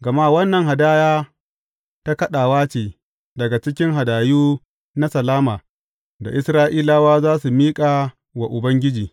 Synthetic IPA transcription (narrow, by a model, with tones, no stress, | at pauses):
ɡɐ˨ma˦wɐ˦nːɐ˨ŋɦa˨daː˦jaː˦ | ta˦kɐ˦ɗaː˨waː˦t͡ʃeː˨ | dɐ˨ɡa˨t͡ʃɪ˦kʲɪ˦ŋɦa˨daː˨juː˦ | na˦sɐ˨laː˦maː˨ | da̰˨ʔɪ˦sɾaː˦ʔiː˦laː˦waː˦zaː˦su˨miː˦kʼa˨ | wa˨ʔʊ˨bɐ˦ŋɡʲɪ˦d͡ʒiː˨